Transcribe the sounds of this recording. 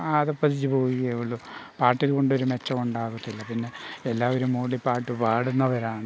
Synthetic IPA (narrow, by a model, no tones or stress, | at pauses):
aðɐpːɐt̪ʰit͡ɕːupo̞ːjiɣɐeʋɐɭːupaːrʈːilko̞ɳɖo̞ɾume̞t͡ɕːɐmuɳɖaːɣut̪ːilːɐpinːe̞elːaːʋoɾumːoːɭipaːrʈːɨʋaːɽunːɐʋɐɾaːɳɨ